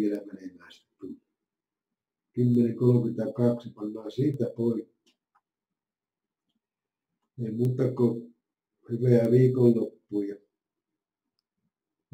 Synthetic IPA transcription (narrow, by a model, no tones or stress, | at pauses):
ielæmænemæˑːst̪æt̪ulːˑu | kymːenikolomit̪ɑkɑksipɑnːɑːsiːt̪æpoˑikːi̥ | eˑimuːt̪ɑko | hyʋeæʋiːkollopːuːjɑ